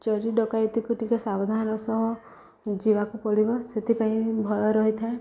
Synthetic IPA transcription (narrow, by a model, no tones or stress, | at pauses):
t͡ʃɔɾiɖɔkajt̪ikuʈikasabɔd̪ʱanɔɾɔsɔɦɔ | d͡ʒiβakupɔɭibɔset̪ʰipaĩbʱɔjɔɾɔɦit̪ʰae